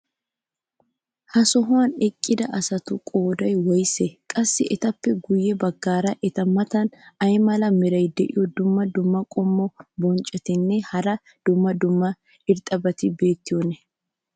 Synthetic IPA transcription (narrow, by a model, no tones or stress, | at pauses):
hɐsɔɦʊanɛkʼːɪd̪ɐʔɐsɐt̪ʊkʼo̞ːd̪ɐjwɐjsɛkʼɐsːɪɛt̪ɐpːɛɡʊjːɛbɐɡːaːɾɐʔɛt̪ɐmɐt̪ɐnɐjmɐlɐmɪɾɐjd̪ɛʔɪjɔd̪ʊmːɐd̪ʊmːɐkʼɔmːɔbɔnt͡ʃʼːɛt̪ɪnːɛhɐɾɐ | d̪̥ʊmːɐd̪ʊmːɐ | ɪɾt̪ʼɐbɐt̪ɪbe̞ːt̪ːɪjonɛ